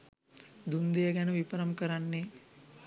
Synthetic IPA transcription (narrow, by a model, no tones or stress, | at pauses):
d̪und̪ijɐɡɛnəʋipɐɾɐmkəɾanːe